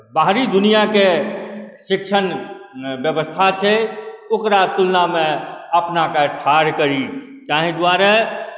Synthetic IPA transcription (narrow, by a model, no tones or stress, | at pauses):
baɦɾid̪unijake | ʃɪkʃʰən | bjəbəst̪ʰat͡ʃʰɛokɾat̪ulnamẽəpnakaʈʰaɾkəɾi | kaɦĩd̪ʊwaɾe